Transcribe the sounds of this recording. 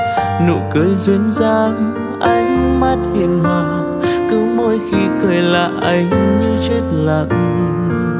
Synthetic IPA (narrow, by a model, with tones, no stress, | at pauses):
nṵ˧˨kɨ˨˦jzwi˨˦ənzaː˧ŋ | ʔa˧jŋ̟ma˦˥t̚hi˨˩ŋha˧˨˩ | kɨ˨˦mo˧jxi˧kəː˨˩jla̰ː˧˨jʔa˧jŋ̟ɲɨ˧t͡ɕe˦˥t̚la˨˩ʔ̚